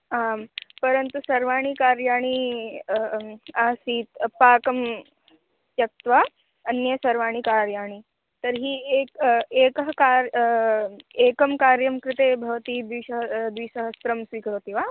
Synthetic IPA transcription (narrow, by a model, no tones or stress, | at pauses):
aːmpɐɾənt̪usɐɾʋaːɽ̃ikaːɾjaːɽ̃i | aːsiːt̪paːkɐm | jɐk̚t̪ʋa | ɐnjəsɐɾʋaːɽ̃ikaːɾjaːɽ̃i | t̪ɐɾɦiːekeːkɐɦkaɾ | eːkɐmkaːɾjɐmkɾɪt̪eːbʱɐʋt̪id̪ʋiʃɐɦd̪ʋiːʃɐɦɐst̪ɾɐmsʋiːkɾɦoːt̪iːʋaː